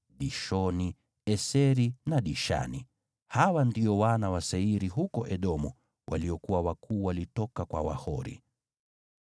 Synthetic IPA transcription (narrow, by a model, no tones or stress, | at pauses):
ɗiʃɔni | ɛsɛɾinaɗiʃa̰ni | hawandiɔwanawasɛiɾiɦukɔʔɛɗɔmu | wʔaliɔkuwawakʰuːwalitɔkakwa̰wa̰hɔɾḭ